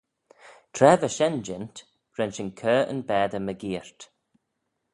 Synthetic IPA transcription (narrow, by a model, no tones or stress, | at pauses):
t̪ʰɾɛːvəʃɛnd͡ʒɪnt̪ | ɹɛnʃɪnkʰəːə̰nbɛːd̪əməɡiːɹt̪